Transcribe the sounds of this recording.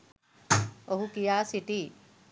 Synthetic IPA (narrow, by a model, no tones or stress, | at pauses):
oɦukijaːsiʈi